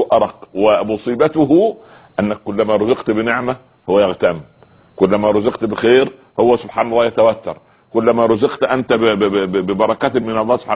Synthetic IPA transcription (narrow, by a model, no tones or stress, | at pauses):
ʔɑɾˤɑqwɪmʊsˤiːbæt̪ʊɦu | ʔænːækːʊlːæmæːɾˤozɑqt̪bɪneʕmæ | hʊwːæjaɣt̪æm | kʊlːæmæːɾˤʊzɑqt̪bɪxeːɾ | howːæsʊbħaːnɑlˤːɑːjæt̪æwæt̪ːɑ̰ɾˤ | kʊlːæmæɾˤʊzɑqt̪ʔænt̪æbɪbɑɾˤɑkæt̪mɪnɑlˤːɑːhso̥bħa